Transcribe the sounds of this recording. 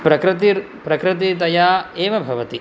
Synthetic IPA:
pɾɐkɾɪt̪iɾ | pɾɐkɾɪt̪̬it̪̬ɐjaːeːʋɐbʱɐʋɐt̪i

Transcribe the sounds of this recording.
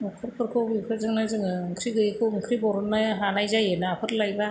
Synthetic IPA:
mɔkʰɯɾpʰɯɾkʰɯwbikʰɯɾzɯŋnazɯŋɯŋkʰɾiɡɯjkʰɯwɯŋkʰɾibɔɾɔnːaɦanajzajenaapʰɯɾlajba

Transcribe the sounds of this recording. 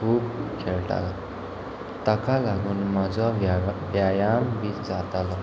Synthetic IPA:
kʰuːbkʰeɭʈa̰la | t̪akalaɡuːnmad͡zabjajambid͡zat̪alɔ

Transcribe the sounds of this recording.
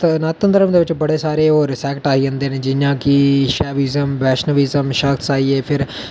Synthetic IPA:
t̪nat̪ə̃nd̪əɾəmd̪eːʋɪt͡ʃbəɽeːsaːɾeːɔːɾsɛːkʈaːiːə̃nd̪eːnẽːd͡ʒɪjãːkiʃɛːʋiːzəmbɛːʃnəʋiːzəmʃəksaːiːeːpʰɪɾ

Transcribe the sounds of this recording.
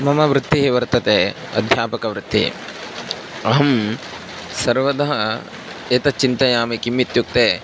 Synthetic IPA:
mɐmɐʋɾut̪ːiɦeʋɐɾt̪ɐt̪eː | ɐ̰d̪ʱjaːpɐkɐʋɾut̪ːḭ | ɐɦɐm | sɐɾʋɐd̪ɐɦɐ | eːt̪ɐt͡ʃːint̪ɐjaːmikimːit̪juk̚t̪eː

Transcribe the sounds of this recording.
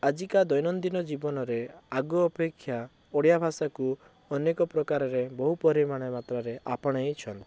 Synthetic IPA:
ad͡ʒikad̪ɔjnɔnd̪inɔd͡ʒibɔnɔɾeaɡuːpekʰːja | oɽjabʱasaku | ɔnekɔpɾɔkaɾɔɾebɔɦupɔɾimaɽ̃emat̪ɾaɾeʔa̰pɔɽ̃ɔet͡ʃʰɔnt̪

